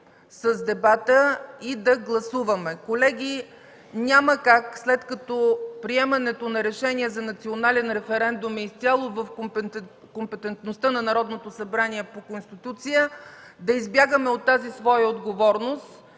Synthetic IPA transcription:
səzd̪ɛbat̪əid̪ɐɡlˠɐsuvəmɛkolɛɡʲi | nʲaməkakslɛt̪kɐt̪ɔpɾiɛmɐnɛt̪onɐɾɛʃɛniɛzɐnɐt̪sionalɛnɾɛfɛɾɛnd̪ʊmist̪sʲjalˠovəf | kompɛt̪ɛnt̪nost̪ənɐnɐɾɔd̪not̪osɐbɾaniɛpokonst̪it̪ut̪sijə | d̪ɐizbjaɡəmɛot̪ːazisvɔjəod̪ɡovɔɾnost̪

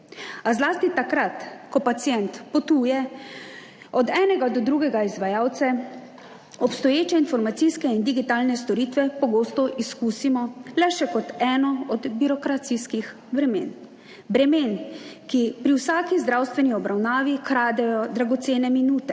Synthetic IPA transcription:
azlaːst̪it̪akɾat̪kɔpat̪sijɛnt̪pɔt̪uːjɛ | ɔd̪ɛːnɛɡad̪ɔd̪ɾuːɡɛɡaizʋajaːwt̪sa | ɔpst̪ɔjeːt͡ʃɛinfɔɾmat̪sijskɛind̪iɡit̪aːlnɛst̪ɔɾiːt̪ʋɛpɔɡoːst̪ɔʔiskuːsimɔlɛʃɛkɔt̪ɛːnɔɔd̪biɾɔkɾat̪siskix | bɾɛmḛːn | bɾɛmeːnkipɾiwsaːkizd̪ɾaːwst̪ʋɛniɔbɾawnaːʋikɾaːd̪ɛjɔd̪ɾaɡɔt̪seːnɛminuːt̪ɛ

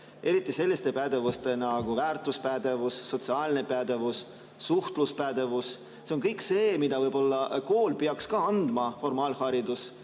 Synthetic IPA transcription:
ʔe̞ɾit̪ːˑise̞lʲːist̪e̞pæd̪̥e̞vust̪e̞nɑɡ̥uvæːrt̪ˑuspæd̪e̞vusːo̞t̪siɑːlne̞pæd̪̥e̞vusː | uht̪luspæd̪̥e̞vus | seo̞nkɤjkse̞ːmid̪̥ɑvɤjb̥o̞lːɑko̞ːlpeɑkskɑɑnd̪̥mɑfo̞rmɑːlhɑɾid̪us

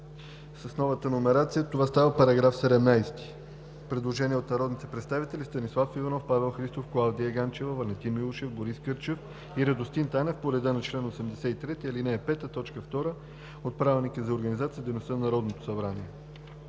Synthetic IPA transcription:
sɐsnɔvət̪ənomɛɾat̪sijət̪ovast̪avəpɐɾɐɡɾafsɛd̪ɛmnajst̪i̥ | pɾɛd̪lˠoʒɛniɛot̪nɐɾɔd̪nit̪ɛpɾɛt̪st̪avit̪ɛlist̪ɐnislˠafivɐnɔfpavɛlˠxɾist̪ofklˠavd̪ijəɡant͡ʃɛvəvɐlʲɛt̪inmilˠoʃɛfboɾiskɤɾt͡ʃɛf | iɾɐd̪ost̪int̪anɛfpoɾɛd̪ənɐt͡ʃlɛnosɛmd̪ɛsɛit̪ɾɛt̪iɐlinɛːpɛt̪ət̪ɔt͡ʃkəft̪ɔɾə | ot̪̚pɾavɛnikəzɐoɾɡənizat̪sijəd̪ejnost̪ənnɐɾɔd̪not̪o̥sɐbɾaniɛ

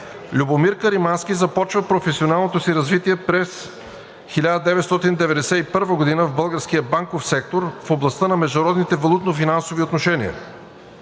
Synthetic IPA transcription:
lʲubomiɾkəɾimanskizɐpɔt͡ʃvəpɾofɛsionalˠnot̪osiɾɐzvit̪iɛpɾɛs | xilʲad̪əd̪ɛvɛt̪st̪ɔt̪ind̪ɛvɛd̪ɛsɛipɤɾvəɡod̪inəvbɤlˠɡəɾskijəbaŋkofsɛk̚t̪oɾfoblˠɐst̪ənɐmɛʒd̪oɾɔd̪nit̪ɛvɐlˠut̪nofinansoviot̪noʃɛnḭə̰

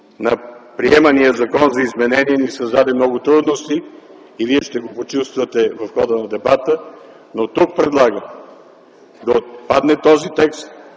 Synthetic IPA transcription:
nɐpɾiɛməniəzɐkɔnzɐizmɛnɛniɛnisɐzd̪ad̪ɛmnɔɡʊt̪ɾud̪nost̪iː | viɛʃt̪ɛɡopot͡ʃust̪vət̪ɛvɐfxɔd̪ənɐd̪ɛbat̪ə | not̪uk̚pɾɛd̪lˠaɡə | d̪ɐpad̪nɛt̪ɔzit̪ɛkst̪

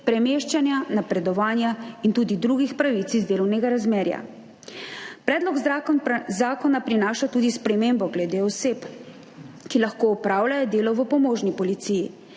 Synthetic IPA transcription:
pɾɛmeːʃt͡ʃanjanapɾɛd̪ɔʋaːnjaint̪uːd̪id̪ɾuːɡixpɾaʋit̪sizd̪eːlɔwnɛɡaɾazmeːɾja̰ | pɾɛːd̪lɔɡ | zaːkɔnapɾinaːʃat̪uːd̪ispɾɛmembɔɡlɛd̪eɔsep | kilaxkoːɔpɾaːwlʲajɔd̪eːlɔʋəpɔmoːʒnipɔlit̪siːji

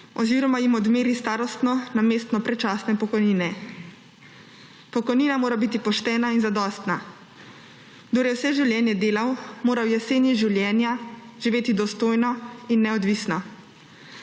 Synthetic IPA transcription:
ɔziːɾɔmajimɔd̪meːɾist̪aːɾɔst̪nɔnameːst̪nɔpɾɛt͡ʃaːsnɛpɔkɔjniːnɛ | pɔkɔjniːnamoːɾabit̪ipɔʃt̪ɛːnainzad̪ɔst̪na | d̪oːɾjɛwsɛʒiwljɛːnjɛd̪eːlawmoːɾawjɛseːnjiʒiwljɛːnjaʒiʋeːt̪id̪ɔst̪oːjnɔinːɛɔd̪ʋisnɔ

